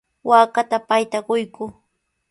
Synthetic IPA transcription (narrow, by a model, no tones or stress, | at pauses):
waːkat̪apajt̪aɢʊjkʊ